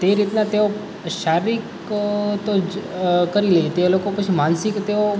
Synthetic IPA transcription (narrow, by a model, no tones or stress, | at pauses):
t̪eɾit̪nat̪eo | ʃaɾik | t̪o | kəɾiləit̪eolokõpət͡ʃʰimansɪkt̪eo